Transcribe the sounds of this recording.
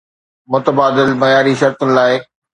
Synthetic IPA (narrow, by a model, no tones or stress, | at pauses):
mʊt̪əbaːd̪ɪlmɐjaːɾiʃɐɾt̪ʊnɪ̆laːɪ